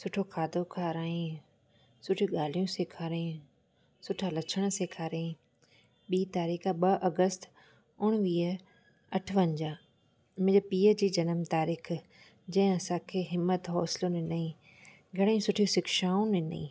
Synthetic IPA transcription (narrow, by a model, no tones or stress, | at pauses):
sʊʈʰokʰaːd̪ʱokʰaːɾaːĩ | sʊʈʰiũɠaːl̤ijũseːkʰaːɾẽ | sʊʈʰalɐt͡ɕʰəɽ̃seːkʰaːɾẽː | ɓiːt̪aːɾiːxəɓɐʔɐɡəst̪ | ʊɽ̃ʋiː | ɐʈʰəʋɐ̃ɲd͡ʑaː | m̃əpiːəd͡ʑiːd͡ʑɐnəmt̪aːɾiːx | d͡ʑɐ̃ɦɪ̃ɐsãkʰeːɦɪmːət̪ɦɔːsɪlonɪnaĩ | ɡʱɐɽ̃ẽsʊʈʰijũsɪkʰʃaːũnɪna̰ĩː